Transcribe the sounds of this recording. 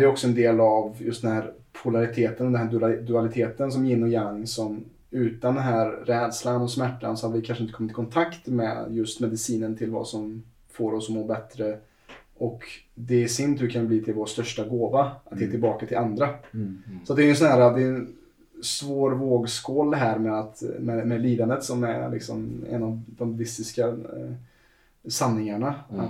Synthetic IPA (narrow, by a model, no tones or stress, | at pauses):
ɛɔksɔɛnd̪eːlavjɵ̰st̪d̪ɛnɦæːɾ | pʰʊlaɾɪt̪ʰeːt̪ənɔmd̪ɛnɦæːd̪ɵalɪt̪ʰeːt̪əns̬ɔmjɪnːɔjaŋːsɔm | ʉ̟ːt̪and̪ɛnɦæːɾːɛːd̪slanɔsmæʈːa̰nsɔhad̪əvɪkʰanʂəɪnəkʰɔmːɪt̪kʰɔnt̪ʰakt̪mɛ̰jɵst̪mɛd̪ɪsiːnənt̪ʰɪlva̰sɔm | foːɾɔsɔmoːɾbɛt̪ɾə | ʔɔkd̪ɛæʂʏnt̪hɵkʰanbliːt̪ʰɪlvoːst̪œʂʈaɡoːvaʔat̪heːt̪ɪlbɑːkat̪ʰɪland̪ɾa | sɔat̪̚d̪ɛɛnsɔnɦæːɾad̪ɛɛn | svoːɾvoːɡskɔːlɦæːɾmɛat̪mɛmɛliːd̪and̪ət̪sɔmæ̰ɾlɪ̰ksɔ̰mɛ̰nːɑvd̪ɔmvɪst̪ɪska | sanːɪŋaɳa